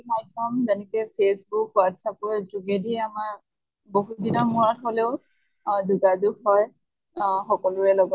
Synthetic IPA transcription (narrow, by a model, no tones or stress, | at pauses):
kʰajtʰɔmzɛnɛkɛpʰesbukwatsapɔɹzuɡediamaɹ | boɦudinɔmuɹɔtoleʊ | zuɡazuɡhɔj | xɔkɔlʊɹɛlɔɡɔ